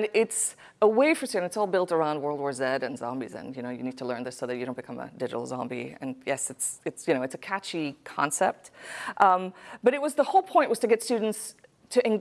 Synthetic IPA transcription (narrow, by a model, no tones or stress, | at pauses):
nɪts | əweɪfə˞stʉdⁿn̩tsɔlˠbɪlˠtə˞ãʊ̃nd̚wɜ˞lˠdwɔɹzɛɾɨ̃nzɑ̰̃mbḭzɨ̰̃njɨnoʊjɨnid̚tʰəlɜ̃˞nðɪsoʊðɨt͡ʃɨdõʊ̃nb̥ɨkʰʌ̃mə̰dɪd͡ʒɨ̰ɾl̩ˠzɑ̰̃mbḭɨ̰̃njɛsɨtsɨtsjɨñoʊɨtsɨkʰæt͡ʃikʰɑ̰̃nsɛp̚t̚ʔʌ̃mb̥ʌɾɨt̚wʌzðəhoʊlˠpʰɔ̃ɪ̃nʔwʌz̥tʰɨɡɛtstʉdⁿn̩ts | tʰɨʔɨ̃n